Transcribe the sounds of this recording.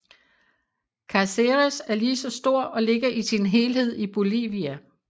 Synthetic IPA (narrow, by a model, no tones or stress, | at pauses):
kʰæseʁesæɐliːsɒ̽sd̥o̝ɐ̰ɒ̽le̝ɡ̥ɐʔisinɦe̝ːlɦe̝ð̞̰ˠib̥o̝lḭːʋiæ